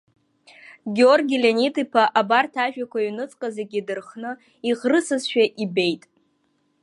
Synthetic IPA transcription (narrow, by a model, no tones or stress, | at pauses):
ɡʲiorɡʲilʲenitʰʼipʰaʔabartʰaʒᶣakʷainɨt͡sʼqʼazeɡʲidɨrχnɨ | iʁrɨsɨzʃᶣaʔibe̞jtʼ